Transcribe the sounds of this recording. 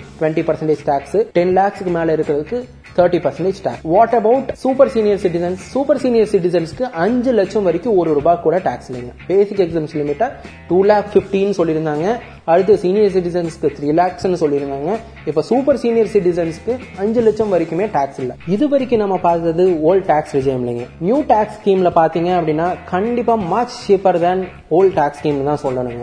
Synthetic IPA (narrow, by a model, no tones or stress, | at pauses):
ʈʋɛɳʈipɐɾsɐɳʈeːd͡ʒʈaːksʈɛnlaːkskːɯmeːlɐɪɾɯkːɪɾɐðɯkːɯ | t̪ʰɐːɾʈːipɐɾsɛɳʈeːd͡ʒʈa̰ːksʋaːʈɐbɐʊʈsuːpɐɾsiːnɪjɐɾsɪʈ̬ɪsɐnsːuːpɐɾsiːnɪjɐɾsɪʈ̬ɪsɐnskɯʔɐɲd͡ʒɯlɛt͡ʃːɐ̃mʋɐɾɪkʲːɯʊ̃ɔɾɯɾubaːkːuːɽɐʈaːkslːiŋɡɐb̥eːsɪkːɛksaːmslɪmɪʈːɐ | ʈuːlaːkfɪfʈiːnːɯsɔlːɪɾɯnd̪aːŋɡɐ | ɐɽɯt̪̬ːɯsiːnɪjɐɾs̬ɪʈ̬ɪsɐnskːɯɾɪlaːksnːɯsɔlːɪɾɯnd̪aːŋɡɐ | ɪpːoːsuːpɐɾsiːnɪjɐɾsɪʈɪsɐnskːɯɐɲd͡ʒɯlɛt͡ʃːɐmʋɐɾɪkʲːɯmeːʈaːksɪlːɐɪðɯʋɐɾɪkʲːɯ̃nɐmːɐpaːɾt̪ɐðɯoːlʈaːksɾɪd͡ʒɐːmɪlːɪ̰ŋɡɐnjuːʈaːkskeːmlɐpaːɾt̪iːŋɡɐɐpːɐɽɪnːaːkɐɳɖɪpːaːmɐt͡ʃt͡ʃeːpɐɾd̪ɐn | oːlʈaːkskeːmnt̪ãːsɔlːɐnɯŋɡɐ